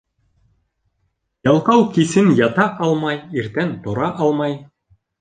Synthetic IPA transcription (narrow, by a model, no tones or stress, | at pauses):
jɑlˠqɑwkisɘnjɑt̪ɑʔɑlˠmɑjiɾt̪ænt̪ŏɾɑʔɑlˠmɑj